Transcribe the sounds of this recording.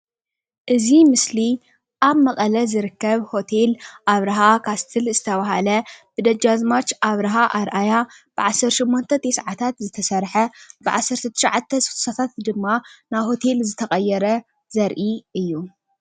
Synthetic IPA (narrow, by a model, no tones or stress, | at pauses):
ʔɨzimɨsli | ʔaβmɐqʼɐlɐzɨɾɨkːɐβho̞t̪ʰelʔaβɾɐɦakʰast̪ʰɨlzɨt̪ʰɐβaɦalɐb̥ɨd̪ɐd͡ʒazmat͡ʃʔaβɾɐɦaʔaɾʔajab̥ɨʕasːɐɾtʃɪmːont̪ʰɐt̪ʰesʕat̪ʰat̪zɨt̪ʰɐsɐɾħɐb̥ɨʕa̰sːɐɾt̪ʰɐt̪ʰɨ̥ʃʕat̪ʰːɐsu̥t̪u̥sat̪ʰat̪d̪ɨmːanaβho̞t̪ʰe̞lzɨt̪ʰɐqʼɐjːɛɾɐ | zɐɾʔiʔɨjːu